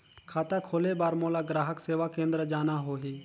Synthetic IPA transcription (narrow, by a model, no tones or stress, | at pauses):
kʰaːt̪akʰoːlebaːɾmoːlaːɡɾaːɦəkseːʋakẽːnd̪ɾəd͡ʒaːnaɦoːɦeː